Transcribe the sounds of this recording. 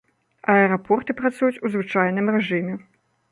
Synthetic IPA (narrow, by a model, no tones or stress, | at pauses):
ɐɛɾapɔrt̪ɨpɾat̪sujut͡sʲuzvɨt͡ʂajnɨmrɛʐɨmʲɛ